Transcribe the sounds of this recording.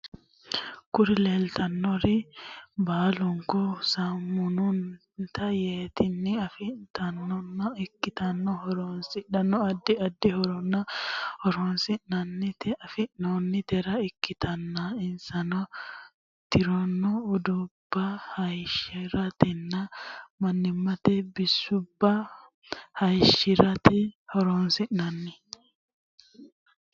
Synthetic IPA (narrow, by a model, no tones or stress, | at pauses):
kʊɾɪleːlt̪ɐnːɔɾɪbaːlʊŋkɔsɐmːʊnʊn | t̪ɐjeːt̪ɪnːɪɐfɪt̪ɐnɔnːɐɪkːɪt̪ɐnːɔhɔɾɔnsɪʔɐnːɔɐd̪ːɪɐd̪ːɪhɔɾɔnːɐhɔɾɔnsɪnːɐnːɪt̪ɐfɪʔnonːɪt̪ɛɾɐɪkːɪt̪ɐnːaɪnsɐnɔ | t̪ɪɾɔnːɔʊd̪ʊb̥ːɐhɐjʃɪɾɐt̪ɛnːɐmɐnːɪmːɐt̪ɛbɪsːʊbːɐ | hɐjʃɪɾɐt̪ɛhɔɾoːnsɪʔnɐnːɪ